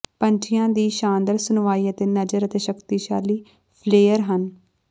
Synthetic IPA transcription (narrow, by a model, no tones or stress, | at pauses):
pə̃ɲt͡ʃʰɪjãːd̪iːʃãːnd̪əɾsʊnʋaːiːət̪eːnəd͡ʒəɾət̪eːʃəkt̪iːʃaːliː | pʰleːəɾɦən